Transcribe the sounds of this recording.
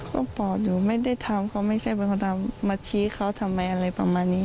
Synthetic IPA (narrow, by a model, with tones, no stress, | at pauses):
kʰa˧˥˩pɔː˨˩juː˨˩ma˥˩jda˥˩jt̪ʰa˧mkʰa˦˥˩wma˥˩jsa˥˩jpe˧nkʰa˧˩t̪ʰa˧mːaː˧t͡ɕʰiː˧˦˥kʰa˦˧˥wt̪ʰa˧mːa˧jʔa˧ɾa˧jpa̰˧maː˧nːiː˦˧˥